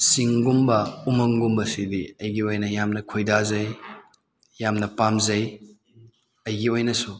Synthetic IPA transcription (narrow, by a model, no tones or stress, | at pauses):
siŋɡumbɐumɐŋɡumbɐsidiɐjɡiojnɐjamnɐkʰojdazɐj | jamnɐpamzɐj | ɐjɡiojnɐsu